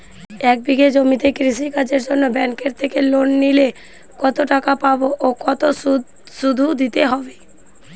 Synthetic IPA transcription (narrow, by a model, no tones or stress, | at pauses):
ɛk̚biɡed͡ʑomit̪ekɾiʃ̬ikad͡ʑeɾd͡ʑonːobɛŋkeɾt̪ʰekelonːile | kɔt̪oʈakapaboʔokɔt̪o | ʃud̪ʱud̪it̪eɦɔbe